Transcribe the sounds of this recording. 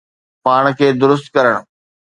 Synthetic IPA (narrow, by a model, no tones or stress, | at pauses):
paːɽ̃kʰeːd̪ʊɾʊs̬t̪̚kɐɾəɽ̃̆